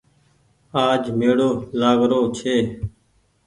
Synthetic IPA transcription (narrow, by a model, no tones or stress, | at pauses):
aːd͡ʒmeːɽoːlaːɡɾoːt͡ʃʰeː